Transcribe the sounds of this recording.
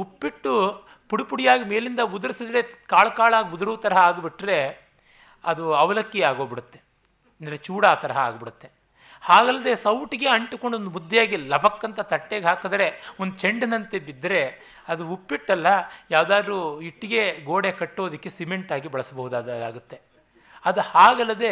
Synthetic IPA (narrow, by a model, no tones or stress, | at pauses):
upːiʈːu | puɽipuɽijaːɡimeːlind̪ɐud̪ɐɾisid̪ɾe̞kaːɭɐkaːɭaːɡiud̪ɐɾuʋɐt̪ɐɾɐɦɐaːɡbiʈːɾe̞ | ɐd̪uɐʋɐlɐkːiaːɡoːbiɽut̪ːe̞ | ɐnd̪ɐɾet͡ʃuːɽaːt̪ɐɾɐɦɐa̰ːɡbiɽut̪ːe | haːɡɐlːɐd̪e̞sɐwʈiɡe̞ɐɳʈuko̞ɳɖond̪umud̪ːjaːɡilɐbʱɐkːɐnt̪ɐt̪ɐʈːeːɡɦaːkɐd̪ɐɾe̞ond̪ut͡ʃeɳɖɐnɐnt̪ebid̪ːɐɾe̞ | ɐd̪uupːiʈːɐlːɐjaːʋd̪aːd̪ɾuiʈːiɡe̞ɡoːɽekɐʈːoːd̪ikːesimeɳʈaːɡibɐɭɐsɐbɐɦud̪aaːɡut̪ːe̞ | ɐd̪uhaːɡɐlːɐd̪e̞